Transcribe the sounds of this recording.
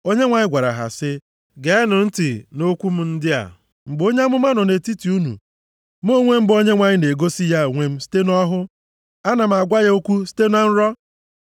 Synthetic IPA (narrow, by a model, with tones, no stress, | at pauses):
o˦ɲe˦ŋʷa˨ɲɪ˦ɡʷa˨ɾa̰˨ɦa̰˨sɪ˦ | ɡe˨˦nʊ˨n̩˦tɪ˨no˦kʷu˦m̩˦n̩˦dɪ˦a̰˨ | ŋ͡m̩˨ɡ͡bo˦ɲe˦a˦mʊ˦ma˦nɔ˨ne˨ti˦ti˨u˦nṵ˨ | m˦o˦ŋʷe˦m̩˦bo˦ɲe˦ŋʷa˨ɲɪ˦ne˨ɡo˦si˦ja˦˨ŋʷe˦m̩˦si̥˦te˦nɔ˦ɦʊ˦ | a˦na˨m̩˨a˨ɡʷa˦ɣe˦o˦kʷu˦si̥˦te˦n˦a˦n̩˦ɾɔ˦